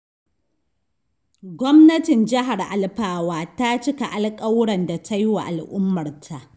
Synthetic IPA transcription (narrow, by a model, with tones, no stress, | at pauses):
ɡʷɔ˦mnɐ˦tɪ˨nd͡ʒɪ˦ɦa˨rʔa˨lɸaː˨waː˨ta˦t͡ʃɪ˦ka˨ʔa˨lkʼa˦wɽɐ˨nda˨tʰa˦jwa̰˨ʔa˨lʔʊ˦mːɐ˨rtʰa˨ʔ